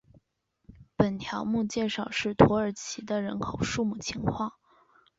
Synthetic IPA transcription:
pə˨˩nt̪ʰjɑ˧˥ʊmu˥˧t͡ɕjɛ˥˧ʂɑ˥˩ʊʂɻ̩˥˩t̪ʰwɔ˧˥ə˞˨˩t͡ɕʰi˧˥d̪ə˧ɻə˧˥nkʰo˨˩ʊʂu˥˧mu˥˩t͡ɕʰi˧˥ŋkʰwɑ˥˩ŋ

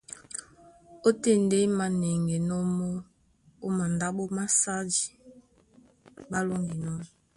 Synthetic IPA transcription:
o˦te˦nde˦ma˨ne˨ŋɡe˨nɔ˦mɔ˦ | o˦ma˨nda˦ɓo˦ma˦sa˦d͡ʒi˨ | ba˦lo˦ŋɡi˨nɔ˦m˨

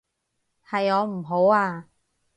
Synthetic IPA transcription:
hɐ˨jɔː˨˧m̩˨˩ɦo˨˥waː˧

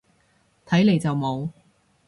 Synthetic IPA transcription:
t̪ʰɐ˨˥jle˨jt͡sɐ˨wmo˨˧w

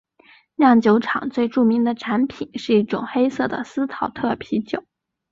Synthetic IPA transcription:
ljɑ˥˩ŋt͡ɕjo˧˥ʊʈ͡ʂʰɑ̰˨˩˦ŋt͡swe˥˧ɪʈ͡ʂu˥˩mi˧˥ŋd̪ə˧ʈ͡ʂʰa˧˥npʰi˨˩nʂɻ̩˥˧i˥˩ʈ͡ʂʊ˨˩ŋxe˥ɪsɤ˥˩d̪ə̰˩sɹ̩˥t̪ʰɑ˨˩˥ʊt̪ʰɤ˥˩pʰi˧˥t͡ɕjo˨˩˦ʊ

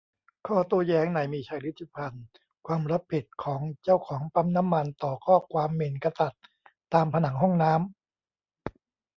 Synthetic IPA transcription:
kʰɔː˥˩t̪u˧˥˩ɐjɛː˦˥ŋna˨˩˦jmiː˧t͡ɕʰaː˧˩jɾi˦˥t̪ʰːi˧˩pʰa˧n | kʰwaː˧mɾa˦˥pʰːi˨˩t̪̚kʰɔː˩˦ŋt͡ɕa˥˩wkʰɔː˩˦ŋpa˦˥mna˦˥mːa˧nt̪ɔː˨˩kʰɔː˥˩kʰwaː˧mːe˨˩nka˧sa˨˩t̪̚ː | aː˧mpʰa˧na˩˦ŋɦɔ˥˩ŋnaː˦˥m

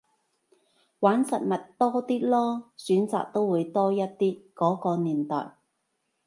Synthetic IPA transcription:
waː˨˥nsɐ˨t̚mɐ˨tt̪ɔː˥t̪iː˥lɔː˥syː˨˥nt͡sa̰ː˨k̚t̪o˥wwuː˨˧jt̪ɔː˥jɐ˥t̚t̪iː˥kɔː˨˥kɔː˧niː˨˩nt̪ɔ̰ː˨˩j

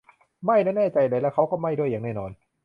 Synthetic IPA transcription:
ma˥˩jnɛː˥˩nɛː˥˩t͡ɕa˧jlɤː˧jlɛː˦˥wkʰa˦˥wkɔː˥˩ma˥˩jdu˥˩ja˨˩ŋnɛː˥˩nɔː˧n

